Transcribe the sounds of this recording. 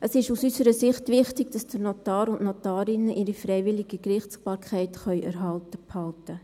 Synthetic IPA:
əsɪʃusysəɾəsɪχtʋɪχtɪɡd̥ɑsd̥ənotɑːɾʊnʔnɔtɑːɾɪnəʔɪɾifɾɛɪʋɪlɪɡ̥ikrɪχtsb̥ɑːɾkʰχɛɪtχœʏʔæɾɦɑltəphɑltə

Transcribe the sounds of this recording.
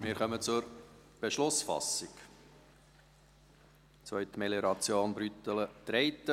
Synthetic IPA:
mɪːɾχœmət͡sʊɾ | b̥eʃlʊsfɑ̰sɪk | t͡sʋœʏɥt̪meleɾɑt͡sjoːnbɾyt̪ələd̪̥ɾɛɪt̪ːə

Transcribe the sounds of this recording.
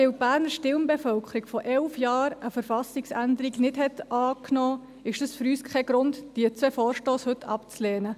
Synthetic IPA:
ɪwb̥æːɾnəʃtɪlmbɛfœlkʰəɾiɡfɔʔɛlfjɑːɾəfəɾfɑsɪksændəɾiɡnɪdhɛt̪ɑːknoː | ɪʃd̥əsfʏɾyːskʰɛɡɾʊntd̥iət͡sʋɛfɔːɾʃtoːshɵtʰɑ̰pt͡slɛːnə

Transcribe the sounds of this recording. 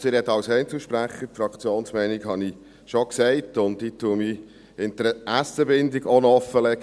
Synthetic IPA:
sɪɾɛt̪ːɑwsɛɪntl̩ʃpɾæχəfɾɑkt͡sjoːnsmɛɪnɪkhɑni | ʃɔksɛɪtʊndditʰːuəmi | ɪnd̪əæsəbɪnd̪iɡɔnɔfəlɛɡ

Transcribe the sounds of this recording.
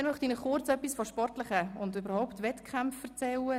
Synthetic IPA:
ɛmœχtinəχʊɾt͡sœpːisfɔʃpɔrtləχəʊndybəɾhɔʊptvɛtkʰχamffəɾt͡sɛlə

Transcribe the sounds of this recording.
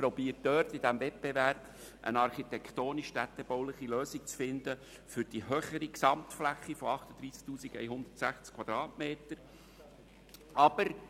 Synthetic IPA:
pɾɔbiːət̚d̥øːrt̪id̪æmvɛt̚b̥ɛvæɾb̥ | ʔə̰nɑrχit̪ɛkʰt̪oːniʃtæt̪ːɛbowləχiløːsik̚t͡sfɪnd̪ə | fʏɾd̥iɦøχəɾiksɑmt̪flæχːifɔɑχt̪əd̪ɾiːsktuːsikɛ̰jɦʊnd̪ətsæχt͡skʰvɑd̪ɾɑːtmeːt̪əɾ | ɑb̥əɾ

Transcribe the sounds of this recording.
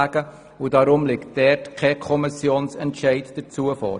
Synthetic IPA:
ɡ̥ə | udɑɾʊmlɪktd̥ɛrtkʰɛkʰɔmɪsjoːnsɛntʃɛɪtd̥ət͡suəfɔ̰ːɾ

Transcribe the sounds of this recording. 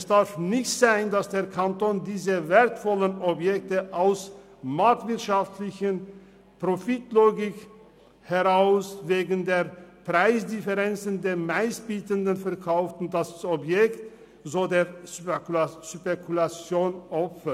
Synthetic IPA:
ɛsd̥aɐfnɪçtz̥aɪndasd̥eːɐkʰantoːndiːzəveːɐtfɔlənɔbjɛk̚təʔaʊs | maɐk̚tv̥ɪɐtʃaftʰlɪçən | pʁ̥ofɪtloːɡɪk | hɛʁaʊsveːɡn̩deːɐpʁ̥aɪsdɪfɛʁɛnt͡səndeːɐmaɪsb̥iːtəndənfɛɐkʰaʊftʊnt̚d̥asɔpjɛkt | zoːdeːɐ | ʃpekʰulat͡sjoːnʔɔpfɐ

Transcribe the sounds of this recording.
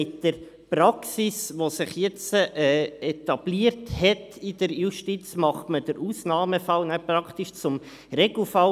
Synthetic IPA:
ɪt̚d̥əɾ | pɾɑksisʋosɪχjɛt͡səɛːɛt̪ɑb̥liːəɾthɛtɪd̥əɾjuʃtit͡smɑχtməd̥əɾʔuːsnɑːməfɑlnɛpɾɑkʰtiʃt͡sʊm | ɾeɡl̩fɑl

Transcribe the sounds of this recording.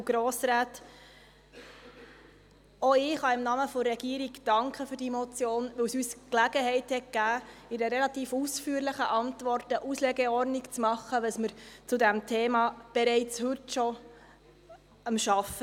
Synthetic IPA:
ɡ̥ɾɔːsɾaːt | oɪχɑɪmnɑməfɔɾɛɡ̥iːɾiɡd̥ɑŋkχəfyɾd̥imɔt͡sjoːnʋɵwsyːsklæɡ̥əhɛɪthɛt̚ɡ̥æːɪdəɾɛlɑt̪iːfusfyːɾləχəʔɑntʋɔrtəʔuslɛɡɛɔrnɪkt͡smɑχːəʋəsməɾt͡sudæmtʰeːmɑːb̥ɛɾɛɪt͡shɵtʃɔ | əmʃɑfə

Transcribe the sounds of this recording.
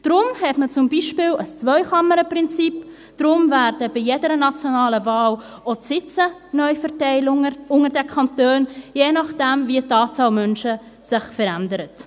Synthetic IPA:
d̥ɾʊmhɛtmət͡sʊmbiːʃpɪːləst͡svœʏχɑməɾəpɾɪnt͡sip | d̥ɾʊmvæɾd̥əbɪjedəɾənɑt͡sjonɑːləvɑːl | osɪt͡sənœʏfəɾtɛɪlʊŋəʊŋəɾdɛkʰɑntøːnjeːnɑχd̥ɛmviətɑːt͡sɑːlmœnʃə | sɪχfəɾændəɾət

